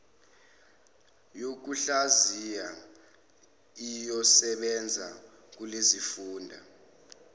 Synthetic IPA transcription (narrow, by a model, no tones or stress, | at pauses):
jok̬uɬazija | ijɔsɛɓɛnd͡zʱa | k̬ulezifuːndʱa̰